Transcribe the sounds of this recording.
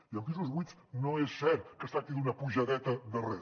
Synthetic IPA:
iəlˠkizulˠzβujt͡snoesːɛɾt̪kəst̪ɾakt̪iðunəpuʒəðɛt̪əðərɛ

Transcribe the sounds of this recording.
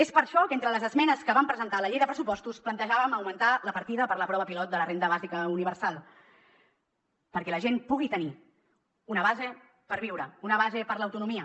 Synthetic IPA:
espəɾʃɔkent̪ɾələzəzmɛnəskəβampɾəzənt̪aləʎejðəpɾəsupɔst̪usplənt̪əʒaβəməwmənt̪aləpəɾt̪iðəpəɾləpɾɔβəpilɔt̪̚d̪ələrend̪əβ̞azikəuniβ̞əɾsalˠ | pəɾkɛləʒempuɣ̞it̪əni | unəβ̞aze | pəɾβ̞iwɾəunəβazepəɾləwt̪unumiə

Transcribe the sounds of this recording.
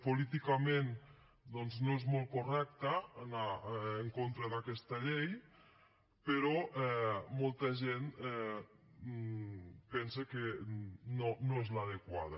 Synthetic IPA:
polit̪ikamen | d̪ɔnznoezmolˠkurɛk̚t̪əːnaːŋkont̪ɾəðakɛst̪ɐʎej | pəɾɔɛmolˠt̪əʒenɛ | pɛnsekenonoezlaðəkwa̰ðə̰

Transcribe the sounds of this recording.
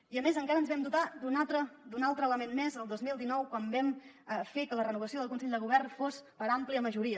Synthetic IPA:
iəmezəŋkaɾənzβɛmd̪ut̪ad̪unat̪ɾəd̪unalˠt̪ɾəːləmenmezəlˠd̪ozmilˠd̪inɔwkwambɛm | əfekələrənuβəsioðəlkunsɛʎd̪əɣuβɛrnfospəɾampliəməʒuɾiə

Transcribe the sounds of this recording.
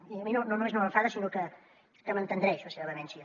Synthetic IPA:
iəminononũmeznoməɱfaðəsinokə | k̪əmənt̪ənd̪ɾɛʃləseβəβəβɛnsiə

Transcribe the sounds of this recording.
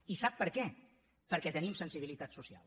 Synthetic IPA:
isapːəɾkɛ | pəɾkɛt̪ənimsənsiβ̞ilit̪at̪susia̰lˠ

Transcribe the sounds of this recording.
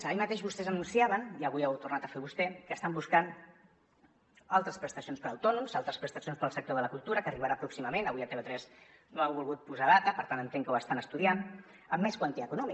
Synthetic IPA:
aʎmət̪eʒβust̪ɛzənunsiaβəniəβujɛwt̪urnat̪əfeβust̪ɛkəst̪ambuskan | alˠt̪ɾəspɾəst̪əsionspəɾəwt̪ɔnumzalˠt̪ɾəspɾəst̪əsionspəlˠsək̚t̪oðələkulˠt̪uɾəkəriβəɾapɾuksiməmenəβujət̪eβet̪ɾɛznoewβulˠɣut̪̚puzaðat̪əpəɾt̪anənt̪eŋkowəst̪anəst̪uðian | əmːɛskwant̪iaːkunɔmi

